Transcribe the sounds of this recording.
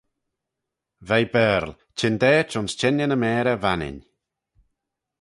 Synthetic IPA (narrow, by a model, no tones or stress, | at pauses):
vɛjbɛɾl | t͡ʃʰɪnd̪ɛːt͡ʃʊnst͡ʃɛnjənəmɛːɾəvanɪ̰n